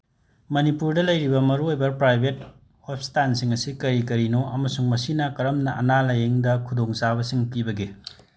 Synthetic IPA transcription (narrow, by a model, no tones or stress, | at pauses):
mɐnipuɾdɐlɐjɾibɐmɐɾuojbɐpɾajbʱet̚ | hop̚stansiŋɐsikɐɾikɐɾinoʔɐmɐsuŋmɐsinɐkɐɾɐmnɐʔɐ̰nalɐjeŋdɐkʰudoŋsabɐsiŋpibɐɡe